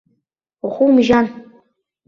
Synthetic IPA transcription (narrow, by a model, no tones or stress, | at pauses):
uχʷumʒan